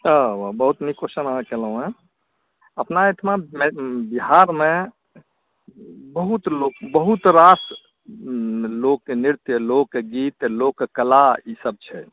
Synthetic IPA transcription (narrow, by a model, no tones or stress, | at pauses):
əʋabəɦut̪nikoʃənãkeləɦũẽ | əpnaet̪ʰmambiɦaɾmẽ | bəɦut̪lokbəɦut̪ɾas | lokːeniɾt̪jəlokːeɡiːt̪lokːkəlaisəb̚t͡ʃʰɛ